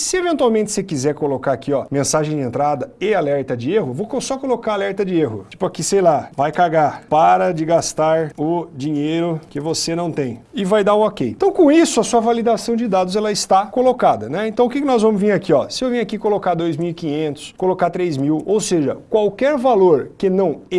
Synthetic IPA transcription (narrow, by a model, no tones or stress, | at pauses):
sɪevẽnt̪uwawmẽnt͡ʃɪ̥sekizɛɾkolokaɾakiɔmẽsaʒẽj̃d͡ʒɪẽnt̪ɾad̪ɐɪalɛɾt̪ɐd͡ʒɪeɦʊvokosɔkolokaalɛɾt̪ɐd͡ʒɪeɦʊt͡ʃi̥pʊakisejlavajkaɡapaɾɐd͡ʒɪɡast̪aɾʊd͡ʒĩɲejɾʊkɪvosenɐ̃w̃t̪ẽj̃ɪvajd̪aʊ̃ɔkejt̪ɐ̃w̃kõisʊɐsuɐvalid̪asɐ̃w̃d͡ʒɪd̪ad̪ʊzɛlɐɪst̪akolokad̪ɐnɛẽnt̪ɐ̃w̃ʊkɪkɪnɔzvɐ̃mʊzvĩɾakiɔsɪewvĩj̃akikolokad̪ojzmiwikĩɲẽnt̪ʊ̥skolokat̪ɾejzmiwowseʒɐkwawkɛɾvaloɾkɪnɐ̃w̃e